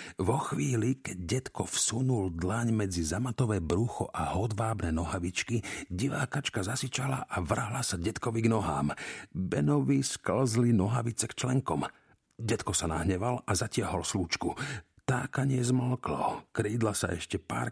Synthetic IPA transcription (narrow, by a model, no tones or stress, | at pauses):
ʋɔxʋiːlikɛɟ̚ɟɛt̪kɔfsunuld̪laɲmɛd͡zizamat̪ɔʋɛːbɾuxɔʔaɦɔd̪ʋaːbnɛnɔɦaʋit͡ʃkiɟiʋaːkat͡ʃkazasit͡ʃalaʔaʋr̩ɦlasaɟɛt̪kɔʋiɡnɔɦa̰ːmbɛnɔʋiskl̩zlinɔɦaʋit͡sɛkt͡ʃlɛŋkɔm | ɟɛt̪kɔsana̰ɦɲɛʋalʔazacɪaɦɔlsluːt͡ʃku | t̪aːkaɲɪɛzməlklɔ̰kɾiːd̪lasa̰ʔɛ̰ʃcɛpa̰ːɾ